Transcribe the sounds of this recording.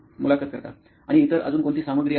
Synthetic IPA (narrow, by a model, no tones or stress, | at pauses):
mulakət̪̚kəɾt̪a̰ | aɽ̃iːt̪əɾə̰d͡zuːnkoɳt̪iːsaməɡɾi